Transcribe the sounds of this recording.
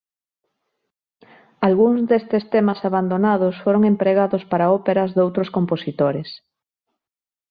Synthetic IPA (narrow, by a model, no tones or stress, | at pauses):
alɣuŋzðest̪est̪emasaβand̪onaðosfoɾoŋempɾeɣ̞aðospaɾaopeɾɐzðowt̪ɾoskomposit̪oɾes